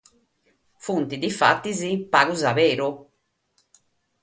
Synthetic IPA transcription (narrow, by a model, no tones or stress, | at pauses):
funt̪id̪ifa̰t̪ːizipaːɣuzaβeːɾu